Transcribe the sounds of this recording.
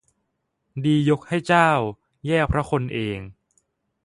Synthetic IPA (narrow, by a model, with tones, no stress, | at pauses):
diː˧jo˦˥k̚ha˥˩jt͡ɕaː˥˩w | jɛː˥˩k̚pʰɾa˦˥kʰo˧nʔeː˧ŋ